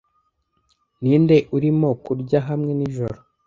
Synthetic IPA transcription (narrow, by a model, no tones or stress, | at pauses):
niːnde̞ʔuɾimo̞kuɾɟaɦamŋe̞niʒo̞ɾo